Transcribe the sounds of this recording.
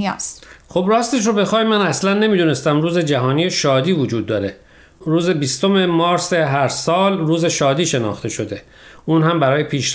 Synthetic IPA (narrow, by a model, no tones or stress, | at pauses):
sxobɾɒːst̪e̞ʃ̬ɾobe̞xɒːimːænæslænːe̞miːd̪une̞st̪æmruːze̞d͡ʒæɦɒːniːjeʃɒːd̪iːvod͡ʒuːd̪̚ːɒːɾe̞ | ɾuːze̞bist̪o̞me̞mɒːɾseɦæɾsɒːlruːze̞ʃɒːd̪iːʃe̞nɒ̰ːxt̪ʰe̞ʃo̞d̪e | ʔuːnhæmbæɾɒːje̞pʰiːʃ